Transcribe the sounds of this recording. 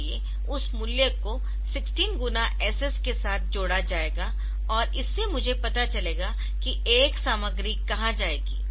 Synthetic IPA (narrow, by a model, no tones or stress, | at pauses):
ie | ʊsmʊljəko | sɪksʈiːnɡʊnaʔɛːsɛskesaːt̪̚ʰd͡ʒoːɽad͡ʒaːeːɡa | ɔːɾɪsːemʊd͡ʒʱepɐt̪at͡ʃɐleːɡa | ki | eːksaːməɡɾikɐɦãd͡ʒaːeːɡḭː